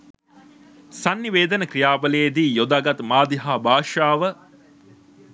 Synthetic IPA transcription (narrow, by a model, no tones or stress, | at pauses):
sanːiʋeːd̪ənəkrijaːbəleːd̪iːjod̪aːɡɐt̪maːd̪iɦaːbaːʃaːʋə